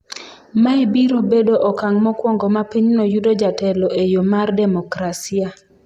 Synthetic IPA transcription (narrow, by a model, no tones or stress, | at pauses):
maebiɾobedoʔɔkaŋmɔkwɔŋɡɔmapiɲnɔjudod͡ʒatɛlɔʔejomardɛmɔkɾasia